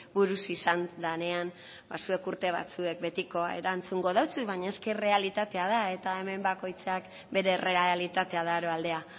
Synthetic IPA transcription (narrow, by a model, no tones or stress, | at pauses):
buɾusisand̪ane̞an | basue̞kuɾt̪e̞β̞a̰t͡sue̞k̚be̞t̪iko̞ḛɾant͡suŋɡo̞ðawt͡suβaɲaeske̞re̞alit̪at̪e̞aðae̞t̪ae̞me̞mbako̞jt͡sak | be̞ɾe̞re̞aalit̪at̪e̞aðaɾo̞ald̪e̞a